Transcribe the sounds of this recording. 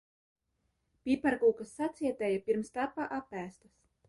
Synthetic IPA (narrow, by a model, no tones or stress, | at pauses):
pʲipaɾkuːkasːat̪sʲiɛt̪ɛjapʲiɾmst̪apaʔapːæːst̪ɐs